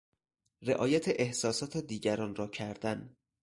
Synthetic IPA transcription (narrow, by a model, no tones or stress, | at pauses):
reʔɒːjæt̪ʰeʔehsɒːsɒːt̪ʰed̪iːɟæɾɒːnrɒːcʰæɾd̪æn